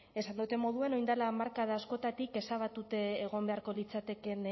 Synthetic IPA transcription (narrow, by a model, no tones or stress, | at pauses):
e̞sand̪ut̪e̞mo̞ð̞ue̞no̞jnd̪alaːmaɾkaðaːsko̞t̪at̪ike̞saβ̞at̪ut̪e̞ːɣ̞o̞mbe̞aɾko̞lit͡sat̪e̞ke̞n